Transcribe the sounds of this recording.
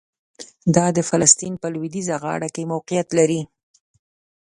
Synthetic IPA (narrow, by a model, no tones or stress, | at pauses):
d̪ɑd̪əfalast̪inpəlwid̪izaɣɑ̰ɽakemawqijat̪laɾi